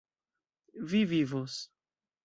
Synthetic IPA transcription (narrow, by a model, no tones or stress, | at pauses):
vivivos